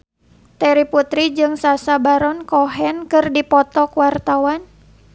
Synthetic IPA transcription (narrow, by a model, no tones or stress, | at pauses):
t̪ɛɾiput̪ɾid͡ʒɨŋsasabaɾɔnkɔɦɛnkɨrdipɔt̪ɔkuwart̪awan